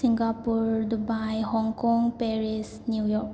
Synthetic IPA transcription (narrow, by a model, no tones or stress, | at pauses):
siŋɡapuɾdubajhɔŋkɔŋpeɾisnjujɔk